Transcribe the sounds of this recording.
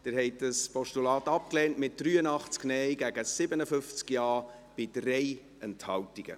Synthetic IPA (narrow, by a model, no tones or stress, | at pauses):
d̥ɪɾɦɛɪt̚d̥əspɔʃtulɑːtɑp̚klɛːntmɪt̚d̥ryːənɑχt͡sknɛɪɡæɡəsɪbənəfʏft͡skjɑː | b̥ɪd̥rɛɪ | ɛnthɑwtiɡ̥ə̰